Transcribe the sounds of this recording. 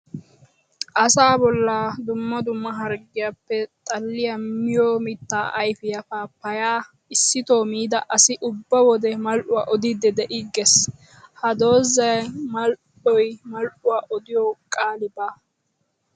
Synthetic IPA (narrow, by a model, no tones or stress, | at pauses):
ʔɐsaːbɔlːaːd̪ʊmːɐd̪ʊmːɐɦɐɾɡɪjapːɛt̪ʼɐlːɪjɐmɪjoːmɪt̪ːaːʔɐjfɪjɐfaːpːɐjaː | ɪsːɪt̪o̞ːmiːd̪ɐʔɐsɪʔʊbːɐwɔd̪ɛmɐlʔʊwa̰ːʔɔd̪ɪd̪ɛd̪ɛʔɪɡɛs | hɐd̪o̞ːzːɐjmɐlʔ | ɔjmɐlʔʊwaːʔɔd̪ɪjɔkʼaːlɪbaː